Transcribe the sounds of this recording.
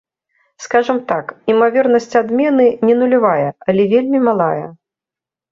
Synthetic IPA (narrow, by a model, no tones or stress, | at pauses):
skaʐɐmt̪akimavʲɛrnɐsʲt͡sʲad̪mʲɛnɨnʲɛnulʲivajɛɐlʲɛvʲelʲmʲimalˠajɐ